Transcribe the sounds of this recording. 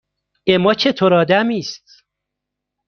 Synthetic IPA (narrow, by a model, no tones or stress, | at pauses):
emɒːt͡ʃʰet̪ʰoɾɒːd̪æmiːst̪̚